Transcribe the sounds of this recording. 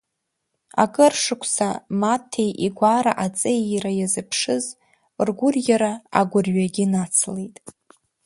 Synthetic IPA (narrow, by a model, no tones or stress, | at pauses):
a̰kʼɨrʂɨkʷʰsamatʰejʔiɡʷaɾaʔat͡sʼejɾajazɨpʰʂɨz | rɡʷʊrjaɾaa̰ɡʷʊrɥaɡʲɪnat͡sʰle̞jtʼ